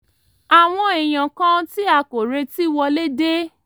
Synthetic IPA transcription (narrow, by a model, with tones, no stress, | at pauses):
a˨w̃ɔ̃˧e˨j̃ã˨kã˦ti˦a˧˨ko˨ɾe˧ti˦wɔ˧le˦de˦